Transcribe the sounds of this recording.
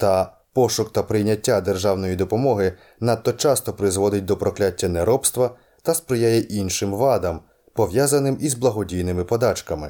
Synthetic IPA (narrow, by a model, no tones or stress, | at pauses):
t̪ɐ | pɔʃʊkt̪ɐpɾɪjnʲɐtʲːad̪erʒɑwnɔjid̪ɔpɔmɔɦɪ | nɑt̪ːɔt͡ʃɑst̪ɔpɾɪzʋɔd̪ɪt̚ʲd̪ɔpɾɔklʲatʲːɐneɾɔpst̪ʋɐ | t̪ɐspɾɪjajɛʔinʃɪmʋɑd̪ɐm | pɔʋjazɐnɪmizblˠɐɦɔdʲijnɪmɪpɔd̪ɑt͡ʃkɐmɪ